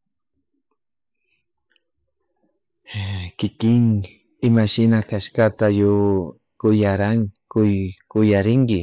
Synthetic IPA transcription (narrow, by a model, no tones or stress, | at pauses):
kɪkɪŋ | ɪmaʃɪnakaʃkat̪ajʊ | kʊjaɾaŋkʊjkʊjaɾɪŋkɪ